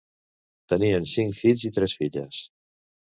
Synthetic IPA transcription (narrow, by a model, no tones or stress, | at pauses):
t̪əniənsiŋkfiʎzit̪ɾɛsfiʎə̰s